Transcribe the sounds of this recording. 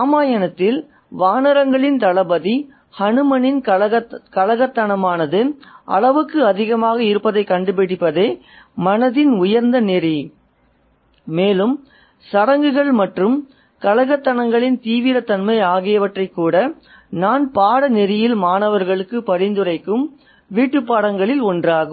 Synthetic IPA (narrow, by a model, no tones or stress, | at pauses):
aːmaːjɐnɐt̪ːɪl | ʋaːnɐɾɐŋɡɐɭɪnt̪ɐɭɐbɐði | hɐɳɯmɐnɪn | kɐlɐɣɐt̪ːɐɳɐmaːnɐðɯʔɐ̰ɭɐʋɯkːɯɐðɪɣɐmaːɣɐɪɾɯpːɐðɐɪkːɐɳɖɯpɪɽɪpːɐðeː | mɐnɐðɪnʊjɐɾnd̪ɐnɛri | meːlɯm | sɐɾɐŋɡɯɣɐɭmɐʈrɯm | kɐlɐɣɐt̪ːɐɳɐŋɡɐɭɪnt̪iːʋɪɾɐt̪ːɐnmɐɪaːɣɪjɐʋɐʈrɐɪkːuːɽɐ | naːnpaːɽɐnɛɾɪjɪlmaːnɐʋɐɾɣɐɭɯkːɯpɐɾɪnd̪ɯrɐɪkːɯm | ʋiːʈːɯpːaːɽɐŋɡɐɭɪlɔndraːɣɯm